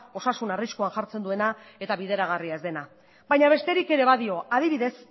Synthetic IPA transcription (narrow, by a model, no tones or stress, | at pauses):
o̞sasunariskoaŋʝaɾt͡se̞nd̪ue̞nae̞t̪aβiðe̞ɾaɣ̞ariae̞zd̪e̞na | bajɲaβ̞e̞st̪e̞ɾike̞ɾe̞βaðio̞aðiβiðe̞s